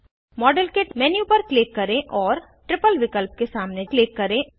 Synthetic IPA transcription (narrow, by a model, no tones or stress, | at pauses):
mɔːɖəlkeːʈmɛːnjupɐɾkleːkːɐɾẽʔɔːɾ | ʈɾɪpəlʋɪkəlp̚kesaːmnekleːkːɐɾẽ